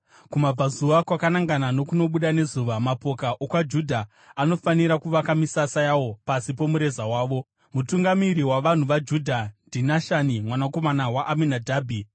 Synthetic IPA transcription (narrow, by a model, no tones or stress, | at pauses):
kumab͡vazuʋakwakanaŋɡanano̞kuno̞ɓuɗane̞zuʋamapo̞kaʔokwad͡ʒudʱa | ano̞faniɾakuʋakamisasajawopasipo̞muɾe̞zawaːʋo̞ | mutuŋɡamiɾiwaʋan̤uʋad͡ʒudʱandʱinaʃanimwanako̞manawaʔːminadʱaːbʱi